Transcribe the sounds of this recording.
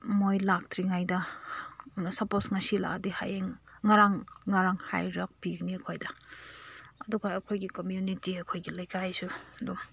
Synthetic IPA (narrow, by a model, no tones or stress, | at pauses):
mojlak̚tʰɾiŋajdɐ | sɐposŋɐsila̰ɡdiha̰jeŋŋaɾaŋːaɾaŋha̰jɾak̚piɡniɐkʰojdɐ | ɐduɡɐːkʰojɡikomjunitiɐkʰojɡilɐjkajsuɐduŋ